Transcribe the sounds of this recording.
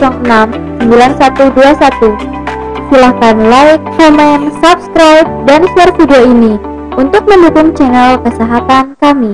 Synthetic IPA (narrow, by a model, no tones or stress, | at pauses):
sɔŋənam | səmbilansat̪uduasat̪u | silak̪anlaɪk̚hɛmɛnsap̚skɾawt̪̚dansuarfidioini | unt̪ʊk̚məndukʊŋt͡ʃɛnɛlkəsɛɦat̪ankami